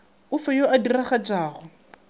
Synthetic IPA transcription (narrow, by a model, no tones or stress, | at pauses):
ʊfɛjoʔadiraχad͡ʒaːɣʊ